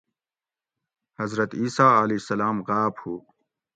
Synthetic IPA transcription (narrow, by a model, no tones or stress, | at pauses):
hɐzɾɐt̪iːsaːɐleːsɐlaːmɣaːbhuː